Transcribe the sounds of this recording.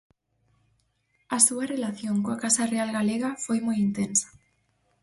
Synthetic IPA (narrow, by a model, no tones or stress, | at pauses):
ɐsuarelaθjoŋkoakasarealɣaleɣafojmojint̪ensḁ